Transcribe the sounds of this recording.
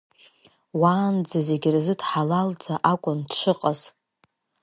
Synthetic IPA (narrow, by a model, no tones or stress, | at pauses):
waːnd͡zaze̞ɡʲrzɨdħalald͡zaʔakʷʼʊndʃʷɨqʼaz